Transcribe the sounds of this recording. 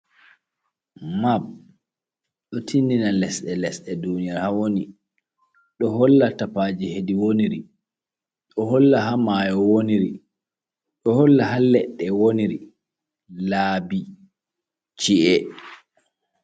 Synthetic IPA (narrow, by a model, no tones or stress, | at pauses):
mab̚ | ɗɔtʰindinalɛsɗɛlɛsɗɛdunijaɾhawoni | ɗɔɦɔlːatapaːd͡ʒihediwoniɾi | ɗɔɦɔlːaɦamajɔwoniɾi | ɗɔhɔlːaɦalːɛɗːɛwoniɾi | laːbi | t͡ʃiʔɛ